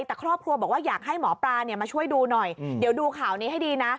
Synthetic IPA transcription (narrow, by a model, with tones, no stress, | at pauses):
jt̪ɛː˨˩kʰɾɔː˥˩p̚kʰɾu˧bɔ˨˩k̚waː˥˩jaː˨˩k̚ha˥˩jmɔː˩˦pɾaː˧ni˥˩əmaː˧t͡ɕʰu˥˩əjduː˧nɔ˨˩jdi˨˩˦wduː˧kʰaː˨˩wniː˦˥ɦa˥˩jdiː˧na˦˥